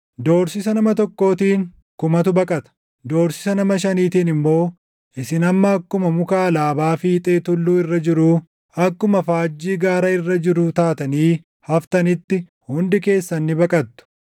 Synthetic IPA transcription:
d̪o̞ːɾsɪsɐnɐmɐt̪ɔkːo̞ːt̪iːŋ | kʊmɐt̪ʊbɐkʼɐt̪ɐ̥ | d̪o̞ːɾsɪ̥sɐnɐmɐʃɐniːt̪iːnɪmːo̞ː | ʔɪsɪnɐmːɐːkːʊmɐmʊkaːlaːbaːfiːt̪ʼeːt̪ʊlːuːɪrːɐd͡ʒɪɾuː | ɐkːʊmɐfaːd͡ʒːiːɡaːɾɐɪrːɐd͡ʒɪɾʊt̪aːt̪ɐniː | hɐft̪ɐnɪt̪ːɪ | hʊnd̪ɪke̞ːsːɐnːɪbɐkʼɐt̪ːʊ̥

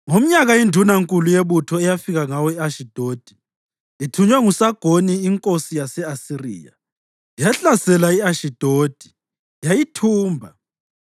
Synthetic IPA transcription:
ŋom̩ɲaɣaindʱunaŋkʼulujeβutʰɔɛjafiɣaŋawɔiaʃid̥ʱoːd̥ʱi̥ | itʰuɲwɛŋusaɡ̥ʱoniːŋkʼosijasɛasirḭːja̰ | ijaɬasɛlaiaʃid̥ʱoːd̥ʱi̥ | jajitʰuːmbʱa

